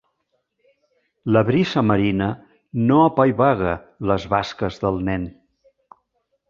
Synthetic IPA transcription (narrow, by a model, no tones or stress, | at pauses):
ləβɾisəməɾinə | noəpajβaɣə | ləzβaskəzðəlˠnɛn